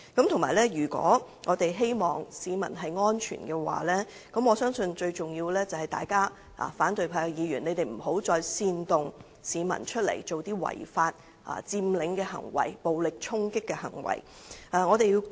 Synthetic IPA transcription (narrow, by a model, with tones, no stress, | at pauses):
kɐ˨˥mt̪ʰʊ˨˩maː˨˩lɛː˥jyː˨˩kwɔ̰ː˨˥ | ŋʔɔː˨˧t̪e˨jɦe˥jmɔː˨ŋsiː˨˧mɐ̰˨˩nɦɐ˨jŋɔː˥nt͡ʃʰy̰ː˨˩nkɛː˧wa̰ː˨lɛː˥ | kɐ˨˥mɔː˨˧sœː˥ŋsɵ˧nt͡ʃɵ˧ɥt͡sʊ˨˩ŋjiː˧wlɛː˥t͡sɐ˨˩whɐ˨jt̪a̰ː˨jkaː˥ | a̰ː˨faː˨˥nt̪ɵ˨˧ɥpʰaː˧kjiː˨˧jyː˨˩ne˨˧jt̪e˨jm̩˨˩ɦo˨˥wt͡sɔː˧jsiː˧nt̪ʊ˨ŋ | siː˨˧mɐ̰˨˩nt͡ʃʰɵ˥t̚lḛ˨˩jt͡so˨wt̪iː˥wɐ̰˨˩jfaː˧t̚ | ʔa̰ː˨t͡siː˧mlɪ˨˥ŋkɛː˧ɦɐ̰˨˩ŋwɐ̰˨˩jpo˨wlɪ˨k̚t͡ʃʰʊ˥ŋkɪ˥kːɛː˧hɐ̰˨˩ŋwɐ̰˨˩jʔaː˨ŋɔː˨˧t̪e˨ji˧w